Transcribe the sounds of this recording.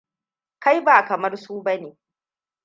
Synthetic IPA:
ka˦jbaː˨kɐ˨mɐ˦rsuː˦bɐ˦neː˨

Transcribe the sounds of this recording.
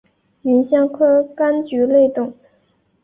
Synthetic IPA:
y˧˥nɕjɑ˥ŋkʰɤ˥ka˥nt͡ɕy˧˥le˥˧ɪt̪ʊ˥˩ŋ

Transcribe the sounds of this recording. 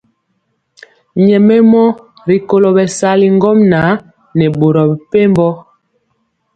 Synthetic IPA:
ɲɛ˨mɛ˦mɔ˦ | ɾi˨ko˨lo˨bɛ˨sa˦li˨ŋ˦ɡɔ˦mnaː˨˦ | nɛ˨ɓo˨ɾɔ˨bpe˦mbɔ˦

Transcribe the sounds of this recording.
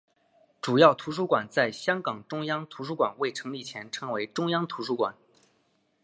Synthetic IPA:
ʈ͡ʂu˨˩jɑ˥˩ʊt̪ʰu˧˥ʂ̬u˥kwa˨˩nt͡sa˥˩ɪɕjɑ˥ŋkɑ˨˩ŋʈ͡ʂʊ˥ŋjɑ˥ŋt̪ʰu˧˥ʂu˥kwa̰˨˩nwe˥˩ɪʈ͡ʂʰɤ˧˥ŋli˥˩t͡ɕʰjɛ˧˥nʈ͡ʂʰɤ˧˥ŋwe˧˥ɪʈ͡ʂʊ˥ŋjɑ˥ŋt̪ʰu˧˥ʂu˥kwa̰˨˩˦n

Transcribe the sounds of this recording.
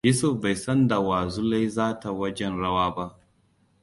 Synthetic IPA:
ju˦sʊ˨fba˨jsɐ˦nda˨waː˨zu˦la˦jzaː˦ta˨wɐ˦d͡ʒɛ˦nɽɐ˦waː˦ba˦ʔ

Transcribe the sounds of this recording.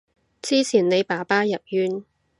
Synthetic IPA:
t͡siː˥t͡sʰiː˨˩nne˨˧jpaː˨˩paː˥jɐ˨p̚jyː˥n

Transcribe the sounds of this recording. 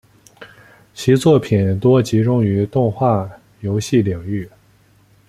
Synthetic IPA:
t͡ɕʰi˧˥t͡swɔ˥˩pʰi˨˩nt̪wɔ˥t͡ɕi˧˥ʈ͡ʂʊ˥ŋy˧˥t̪ʊ˥˧ŋxwa˥˩ | jo˧˥ʊɕi˥˩li˨˩ŋy˥˩

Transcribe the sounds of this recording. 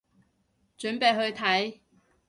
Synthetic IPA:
t͡ʃɵ˨˥npe˨˧jɦɵ˧ɥt̪ʰɐ˨˥j

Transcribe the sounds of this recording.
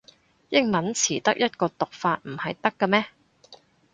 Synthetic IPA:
jɪ˥ŋmɐ˨˥nt͡sʰiː˨˩t̪ɐ̰˥k̚jɐ˥t̚kɔː˧t̪ʊ˨k̚faː˧t̚m̩˨˩hɐ˨jt̪ɐ˥kːɐ˧mɛː˥

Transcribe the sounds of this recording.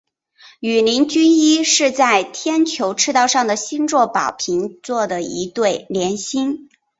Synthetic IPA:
y˨˩ni˧˥ŋt͡ɕy˥ni˥ʂɻ̩˥˧t͡sa˥˩ɪt̪ʰjɛ˥nt͡ɕʰjo˧˥ʊʈ͡ʂʰɻ̩˥˧t̪ɑ˥˧ʊʂɑ˥˩ŋd̪ə˩ɕi˥nt͡swɔ˥˩pɑ˨˩ʊpʰi˧˥ŋt͡swɔ˥˩d̪ə˩i˧˥t̪we˥˩ɪljɛ˧˥nɕi˥n

